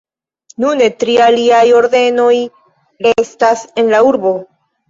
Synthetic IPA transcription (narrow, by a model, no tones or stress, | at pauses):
nune̞tɾialiajo̞ɾde̞no̞j | ɾestase̞nlauɾbo̞